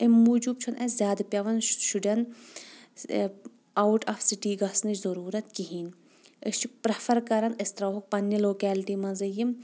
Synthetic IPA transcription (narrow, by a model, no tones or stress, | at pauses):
emːud͡ʒub̚t͡ʃʰunʔɐzʲjaːd̪pʲjɐʋɐnʃuɖʲɐn | ɐwʈaːfsiʈiːɡɐsnɐt͡ʃzɐɾuːɾɐt̪kiɦiːn | ə̰st͡ʃʰik̚pɾɐfʰɐɾkɐɾɐnɐst̪ɾɐːɦɐk̚pɐnːjiloːkɛːlʈiːmɐzɐjim